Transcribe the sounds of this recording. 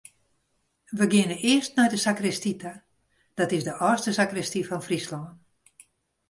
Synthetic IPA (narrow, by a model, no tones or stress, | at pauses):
ʋəɡɪnənʔɪəstnɛjdəsakrɪstita | d̥ɔtɪzdəʔɔːstəsakrɛstifɔnfrislɔːn